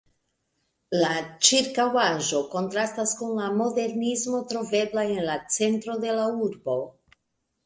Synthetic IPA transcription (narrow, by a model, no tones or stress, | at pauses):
lat͡ʃiɾkawaʒo̞ko̞ntɾastaskunlamo̞de̞ɾnismo̞tɾo̞ve̞blae̞nlat͡se̞ntɾo̞de̞lauɾbo̞